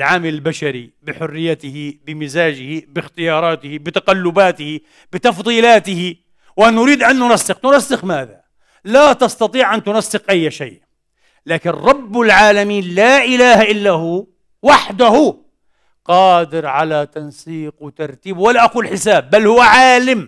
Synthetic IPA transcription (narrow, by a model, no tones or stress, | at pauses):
lʕaːmɪlɪlbaʃaɾḭbɪħʊrːɪjːat̪ɪhɪbɪmɪzaːd͡ʒɪhibɪxt̪ɪjɑːɾˤɑːt̪ɪhɪbɪt̪aqalːʊbaːt̪ɪhi | bɪt̪ɑfðˤiːlaːt̪ɪhi | wʔananʊɾiːd̪ʔanːʊnasːɪxnʊnasːɪxmaːða | lat̪ɑst̪ɑt̪ˤiːʕʔant̪ʊnasːɪqʔajːʃa̰ːʔ | laːkɪnɾˤɑbːɪlʕaːlamiːnlaːʔɪlaːhaʔɪlːahu | waħd̪ahu | qɑːd̪ɪɾʕalat̪ansiːqwɪt̪ɑɾˤt̪iːbwalːaʔaquːlħɪsaːbːalːhʊwːaʕaːlɪm